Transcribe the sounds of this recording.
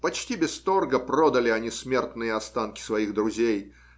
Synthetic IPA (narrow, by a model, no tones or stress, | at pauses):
pɐt͡ɕtʲibʲɪst̪o̞rɡəpɾod̪əlʲɪɐnʲismʲe̞rt̪nɨjəɐst̪ankʲɪ̥svɐixd̪ɾʊzʲej